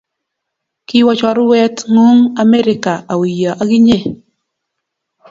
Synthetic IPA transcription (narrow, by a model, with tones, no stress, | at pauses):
kɪ˦wɔ˦t͡ʃɔ˨ɾʊ˦wɛ˦tŋu˦ŋa˦me˦ɾɪ˨˦ka˨a˨wi˨jɔ˨ʔa˦ɡɪ˦ɲe˦˨